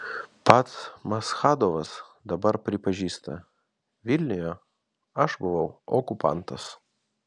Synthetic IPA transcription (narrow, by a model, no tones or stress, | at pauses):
pɐt̪smɐsxɑːd̪oʋɐs | d̪ɐbɐɾpʲɾʲɪpɐʒʲiːst̪ɐ̰ | ʋʲɪlʲnʲɪjɛ | ɐʒbʊʋɐʊɔkʊpɑ̰ˑnt̪ɐs